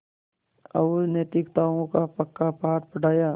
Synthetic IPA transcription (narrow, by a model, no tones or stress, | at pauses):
ɐ̰uneːt̪ɪkt̪aːõkapəkːapaːt̪pəɖʱaːjaː